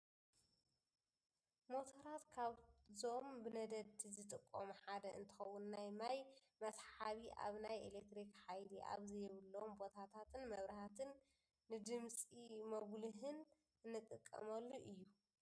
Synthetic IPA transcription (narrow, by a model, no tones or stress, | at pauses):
mo̞t̪ʰoɾat̪kʰaβzombɨnɐd̪ɐd̪t̪ʰizɨt̪ʼɨkʼːomuħad̪ɐʔɨ̰nt̪ʰɨ̥xɐwːunːajmaj | mɐsħaβiʔa̰βnajḛlek̚t̪ɾikħajliʔa̰βzɐjɛβɨlːmbo̞t̪ʰat̪ʰat̪ʰɨnmɐβɾɐhat̪ʰɨnː | ɨd̪ɨmsʼimɐβluɦɨn | ɨnːɨt̪ʼɨkʼːɐ̰mɐlːuʔɨjːu